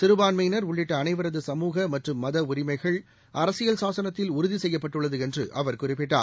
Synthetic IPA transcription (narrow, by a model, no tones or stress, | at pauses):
t̪ɪɾɯbaːnmɐjnɐɾʊɭːɪʈːɐːnɐɪʋɐɾɐðɯsɐmuːɣɐmɐʈrɯmːɐðɐʊɾɪmɐɪɣɐɭ | ʔɐɾɐsɪjɐlsaːsɐnɐt̪ːɪlʊɾʊðisɛjːɐpːɐʈːɯɭːɐðɯɛndrɯ̰ʔɐʋɐɾkʊrɪpːɪʈːa̰ː